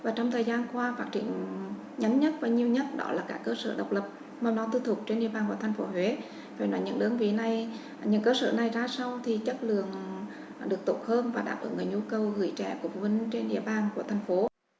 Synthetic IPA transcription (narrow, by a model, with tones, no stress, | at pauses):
vaː˨˩t͡ɕɔ˧wŋ͡mt̪ʰəː˨˩jzaː˧nkwaː˧faː˦˥k̚t͡ɕḭ˧˩˨əŋ | ɲa˨˦mɲə˦˥t̚vaː˨˩ɲi˨˩əwɲə˦˥t̚ɗɔ̰˨˦laː˨˩kaː˦˥kːəː˧sə̰ː˧˩ɗə˨˩wk͡p̚lə˨˩p̚ | ma˧wnɔ˨˦t̪u˧t̪ʰʊ˨˩k͡p̚t͡ɕe˧nɗḭ˧˥əɓaː˨˩nku˧˩ət̪ʰŋ̟fo˨˦ɦwe˨˦ | faː˧˩nɔ˨˦jɲɨ̰˧˥ŋɗɨ˨˦ənvḭ˧˨˩na˨˩j | ɲɨ̰˧˥ŋkəː˧sə̰ː˧˩na˨˩jzaː˧sa˧wt̪ʰi˨˩t͡ɕə˦˥t̚lɨ̰˧˨əŋ | ɗɨ˨˩ək̚t̪o˧˥t̚həː˧nvaː˨˩ɗa̰ː˧˩pʔɨ̰˧˩˦ŋə˨˩ɲu˧kə˨˩wɣɨ̰˧˩jt͡ɕɛ̰˧˩ku˧˩əfvə˧˩nt͡ɕe˧nɗḭ˧˨əɓaː˨˩nku˧˩ət̪ʰɛ˨˩jŋ̟fo˨˦